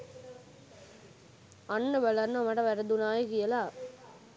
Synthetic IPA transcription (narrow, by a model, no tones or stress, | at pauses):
ɐnːɐʋɐlɐɾnɐmɐɽɐʋɐɾɐd̪unaːjɐkɪjɐlaː